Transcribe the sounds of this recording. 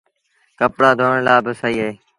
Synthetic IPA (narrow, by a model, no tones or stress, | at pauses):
kəpɽaːd̪ʱoːɳlaːbəsaːiːɦəɦeː